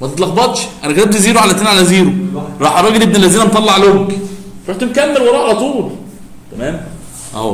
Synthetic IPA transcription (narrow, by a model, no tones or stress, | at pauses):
mæt̪et̪ˤlɑxbɑt̪ˤʃʔænækæt̪æb̚t̪eziːɾoʕalæt̪enʕalæziːɾoɾˤɑːħʔɑɾˤɑːɡelʔeb̚nelːæziːnænt̪ˤɑlːɑʕlok | ɾˤɑħt̪umkæmːelwɑɾˤɑːʔʕalæt̪ˤuːl | t̪æmæːm | ʔæ̰ho